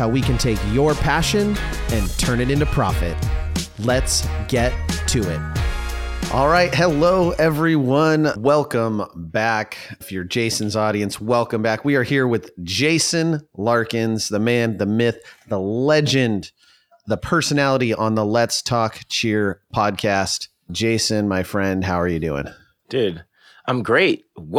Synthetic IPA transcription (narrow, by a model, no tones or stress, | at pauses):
aʊwikɨ̃ntʰeɪkjə˞pʰæʃɨ̃n | ɨ̃ntʰɜ̃˞nɨɾɪ̃ntʉpʰɹ̥ɑ̰fɨ̰t̚ | lɨtsɡ̥ɛtʰɨɪ̰t̚ | ʔɔlˠɹaɪt̚hɨloʊɛvɹiwʌ̃nwɛlˠkə̃mbækfjə˞d͡ʒeɪsn̩zɔɾiɨ̃nswɛlˠkɨ̃mbækwiə˞hiɹwɪðd͡ʒeɪsɨ̃nlɑɹkɨ̃nzðəmæ̃nðɨmɪθðəlɛd͡ʒɨ̃n | ðəpʰɜ˞sɨnælˠəɾiʔə̃nðəlɛtstʰɔkt͡ʃʰɪɹpʰɑd̚kʰæst | d̥ʒ̥eɪsɨ̃nmaɪfɹɛ̃nd̚ɦaʊə˞jɨdʉ̰ɪ̰̃ŋ | d̥ɪd | ãɪ̃mɡɹeɪt̚w